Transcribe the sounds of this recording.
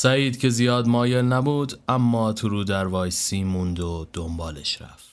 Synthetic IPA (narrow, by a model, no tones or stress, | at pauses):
sæiːd̪cʲʰe̞zijɒːd̪mɒːje̞lnæbuːd̪æmːɒːt̪ʰuɾuːd̪æɾvɒːjsiːmund̪od̪̥ombɒːle̞̰ʃɾæ̰ft̪